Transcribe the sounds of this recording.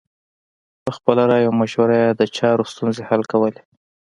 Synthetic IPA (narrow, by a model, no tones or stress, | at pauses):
pəxpəlaɾɑjamaʃwaɾajad̪ət͡ʃɑɾost̪unzehalkawəle